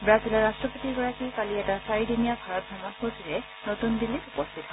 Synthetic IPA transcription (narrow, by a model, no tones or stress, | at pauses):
bɹazilɔɹastɹɔpotiɡɔɹakikaliɛtasaɹidinijabʱaɹɔt̚ɡamɔnkosilɛ | notundilːikupɔstʰitɔ